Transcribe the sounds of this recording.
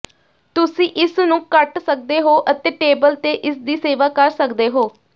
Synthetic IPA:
t̪ʊsĩːʔɪsnũːkəʈsək̚d̪eːɦoːʔət̪eːʈeːbəlt̪eːʔɪsd̪iːseːʋaːkəɾsəkd̪eːɦoː

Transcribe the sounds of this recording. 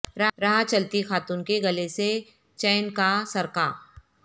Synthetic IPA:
ɾɐɾɐɦat͡ʃɐlt̪ixaːt̪uːnkeɡɐlese | t͡ʃɛːnkasɐɾkaː

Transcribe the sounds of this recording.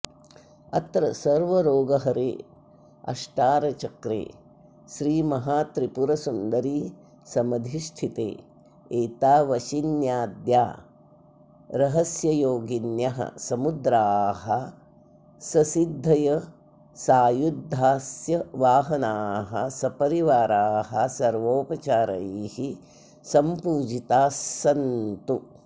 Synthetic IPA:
ɐt̪ɾɐsɐɾʋɐɾoːɡɐɦɐɾḛː | ɐ̰ʃʈaːɾɐt͡ʃɐkɾḛː | ʃɾiːmɐɦaːt̪ɾipuɾɐsund̪ɐɾiː | sɐmɐd̪ʱiʃt̪ʰit̪ḛː | eːt̪aːʋɐʃinjaːd̪ja̰ː | ɾɐɦɐsjɐjoːɡinjɐɦɐ̰sɐmud̪ɾaːɦɐ | sɐsid̪ʱːɐjɐ | saːjud̪ʱːaːsjɐʋaːɦɐnaːɦɐ̰sɐpɐɾiʋaːɾaːɦɐsɐɾʋoːpɐt͡ʃaːɾɐ̰ihi | sɐmpuːd͡ʒit̪aːssɐnt̪u

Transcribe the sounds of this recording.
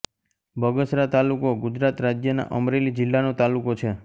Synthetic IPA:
bʱəɡəsɾat̪alukoɡud͡ʒɾat̪ɾad͡ʒjəna̰ʔəmɾelid͡ʒɪlːanot̪alukot͡ʃʰe

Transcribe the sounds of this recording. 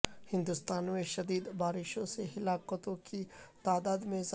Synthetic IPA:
hɪ̃nd̪ust̪aːnmẽʃɐd̪iːd̪baːɾɪʃõseɦɪlaːqət̪õkit̪aːd̪aːd̪mẽz

